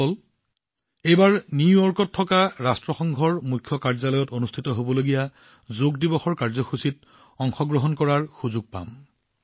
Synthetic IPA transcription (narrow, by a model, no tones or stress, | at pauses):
ɔl | ejbaɹnijɔɹkɔtʰːɔkaɹastɹɔxɔŋɡʱɔɹmujkʰjɔkaɹzalɔjɔtonustʰitɔɦobɔloɡija | zoɡdibɔxɔɹkaɹzɔxusit | ɔŋxɔɡɹɔɦɔnkɔɹaɹxuzuɡ̚pa̰m